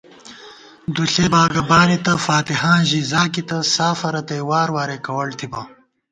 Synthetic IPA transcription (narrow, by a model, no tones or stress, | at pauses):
d̪uɬeːbaːɡɐbaːnit̪ɐfaːt̪iɦãːʑiːzaːkit̪ɐsaːfɐɾɐt̪ɐjwaːɾwaːɾekɐwɐlt̪ʰibɐ